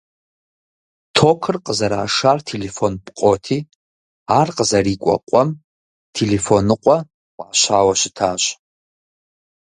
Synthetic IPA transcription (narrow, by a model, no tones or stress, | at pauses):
tʰokʰɨrqʼəzɐɾa̰ːʂaːrtʰelefonpʼqʼotʰiː | aːrqʼəzɐriːkʷʼɔ̰qʷʼɔm | tʰelefonɨqʷʼɔ | wʷaːɕaːwɐʃɪ̥tʰaːɕ